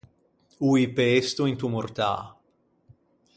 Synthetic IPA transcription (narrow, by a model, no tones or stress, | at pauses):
uipeest̪uint̪umort̪a̰ː